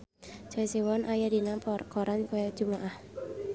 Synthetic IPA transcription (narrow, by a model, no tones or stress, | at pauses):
d͡ʒ̥aisiwɔnʔajadinapkɔɾankɔjadd͡ʒ̥umaʔah